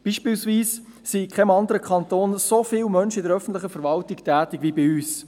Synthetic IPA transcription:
b̥iːʃpiːlsviːs | sikʰχɛmɑnd̪əɾəkʰχɑnt̪oːnsofɪːlmœnʃɪdəɾœfən̩tlɪχəfɛɾvɑltɪktʰæːtɪɡvibɪyːs

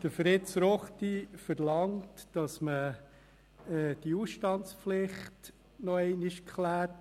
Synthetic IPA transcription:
d̥əfɾɪtsɾɔχtifəɾlɑŋtd̥ɑsmə | ɛːd̥iuːsʃtɑntspflɪχt | nɔɛɪnɪʃkχlæːɾt

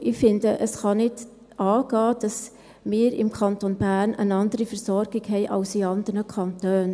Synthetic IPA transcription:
ʔɪfɪndəʔəsχɑnɪd | ɑːɡ̥ɑːd̥ɑs | mɪːɾɪ̰mkʰɑntonbæːɾnʔə̰nɑndəɾifəɾsɔɾɡ̥ɪɡhɛɪʔɑ̰lsiɑnd̪əɾnəkʰɑntøːn

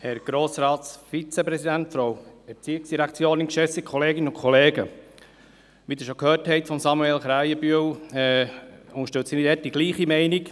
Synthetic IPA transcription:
hɛɾɡ̥ɾoːsɾɑːtsfit͡sepɾɛsidæntfɔɾowɛɾt͡siːɪksd̥iɾækt͡sjoːnɪnkʃɛsikʰɔleːɡɪnəʊkʰχɔleːɡə | ʋidɪɾʃokʰhøːrthɛɪtfɔmsɑmuelχɾæjəbyəw | ʊŋəʃtɛltsinidɛt̚d̥iɡ̥liːχimɛɪnik

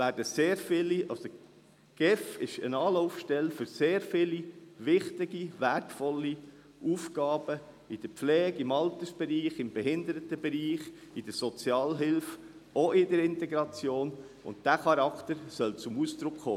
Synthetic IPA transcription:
ʋæːɾdəseːɾfɪliʔɑso | ɡ̥ɛfɪʃə̰nɑːlɔʊfʃtɛlfʏɾseːɾfɪliʋɪχt̪ɪɡiʋæɾtfɔlːi | uːfɡ̥ɑːb̥ə | id̥̪əɾpflɛːɡ̥ɪmɑlt̪əsb̥ɛɾiːχɪmbɛɦɪnd̪əɾətəbɛɾiːχid̥̪əɾsɔt͡sjɑːlɦɪlf | oʔɪdəɾɪnt̪ɛɡɾɑt͡sjoːn | ʊ̰nt̚d̥æχɑɾɑkt̪əɾsœlt͡sʊmusd̥̪ɾʊkχo̰ː

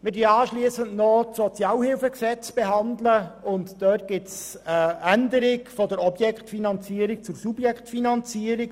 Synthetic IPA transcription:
mɪdiɑːʃliəsəntnɔtsɔt͡sjɑːlhɪlfəksɛt͡sb̥eɦɑndləʊntd̥œt̚ɡ̥ɪts | əændəɾɪkfɔdəɾɔbjɛkχtfinɑnt͡siːəɾik̚t͡sʊɾsubjɛkχtfinɑnt͡siəɾik

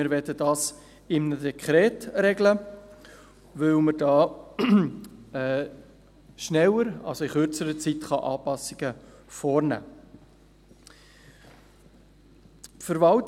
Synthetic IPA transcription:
ɪɾvɛdədɑːs | ɪmnədɛkχɾɛːtɾɛɡlə | ʋɵwməɾd̥ɑː | ɛ | ʃnɛləɾɑ̰lsoɪχʏɾt͡səɾət͡sitχɑʔɑːpɑsɪɡ̥əfɔːɾnæ̰ː | pfəɾvɑlt

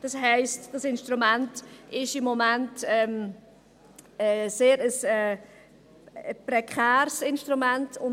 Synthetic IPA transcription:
d̥ɑshɛɪstd̥ɑsɪnʃtɾumæntɪʃɪmːɔmæntɛm | ɛseːɾəsɛː | pɾɛkʰæːɾsɪnʃtɾumæntʊn

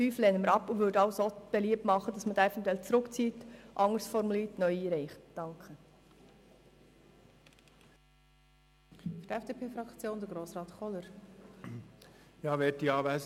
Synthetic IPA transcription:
yːflɛːnəməɾɑpːuʋʏːɾdɑwsob̥eliəp̚tmɑχːəd̥ɑsmədæɪfəntʋɛlt͡sɾʊkt͡siːtʔɑŋəɾsfɔɾmuliːtnœʏiːɾɛɪχtd̥ɑŋkχə | fyɾtɛfd̥eːpʰeːfɾɑkt͡sjoːnd̪əɾɡɾoːsɾɑːt̪χɔləɾ | jɑːʋɛːtiɑːʋæɪs

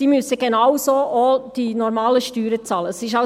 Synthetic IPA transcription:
iːmʏsəɡenawsoːʔod̥inɔɾmɑːləʃtyːɾət͡sɑːləsɪʃ̬ɑ

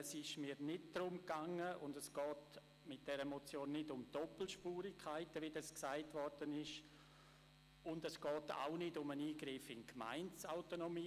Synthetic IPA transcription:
ɛsɪʃmiːɾnɪt̚dɾʊmkaŋːəʊndɛsɡ̥ɔːt | mɪt̚d̥ɛɾəmot͡sjoːnːɪdʊmd̥ɔpl̩ʃpuːɾɪkʰaɪtəvidɑsksaɪtvʋɔɾd̥ənɪʃ | ʊndɛsɡ̥ɔːta̰ʊnɪdʊməniːɡɾɪfɪnkma̰ɪnt͡saʊtonomiː

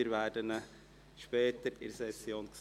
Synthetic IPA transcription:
əɾʋæːdənə | ʃpɛːt̪əɾɪrsɛsjoːnks

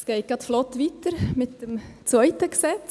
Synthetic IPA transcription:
sɡ̥ɛɪt̚ɡ̥ɑtflɔtʋitəɾmɪtd̥əmt͡svœʏtəɡsɛt͡s

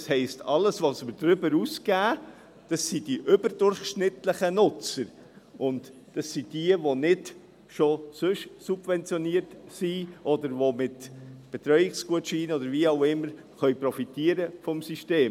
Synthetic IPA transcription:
shɛɪstʰɑləsʋosmədɾʏbəɾusɡæː | d̥ɑsid̥iʔʏbəɾd̥ʊɾχʃnɪtləχənʊt͡səɾ | ʔʊnt | d̥ɑsːid̥iəʋonɪd | ʃosɵʃsub̥vɛnt͡sjɔniəɾtsiʔɔd̪əɾʋomɪtb̥ɛt̪ɾœʏɪkskuətʃiːnɔdəɾviɑʊɪmːəɾ | χœʏpɾɔfitiəɾəfɔmsiʃteːm

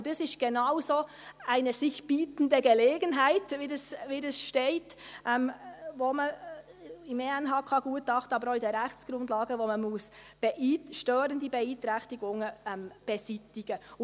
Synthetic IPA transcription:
d̥isɪʃt̚ɡ̥ɛnaʊsoː | æɪnəsɪçb̥iːtən̩dəɡəleːɡənɦæɪtʋidɑsʋidɛsʃteɪtʔɛmvomə | ɪmeɛnɦɑːkʰɑɡuətːɑχtɑːbəɾɔɪdɛːɾɛxt͡sɡ̥ɾʊndlɑːɡəʋoməmusb̥ɛʔiːʃtøːɾəndibɛiːt̪ɾɛxtɪɡʊŋəɛmb̥ɛsitɪɡ̥ə

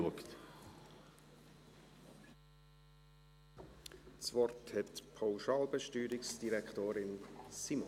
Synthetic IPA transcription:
uəkt̪ | svɔrthɛtpʰaʊʃɑːlbəʃtyːɾɪksd̥iɾɛktoːɾɪnsimo

